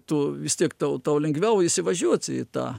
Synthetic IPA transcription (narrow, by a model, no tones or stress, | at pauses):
t̪uːʋʲɪst̪ʲiɛkt̪ɐʊt̪ɐʊlʲɛŋɡʋʲɛʊɪsʲɪʋɐʒʲuɔt͡sʲɪ̰t̪ɑ̰ː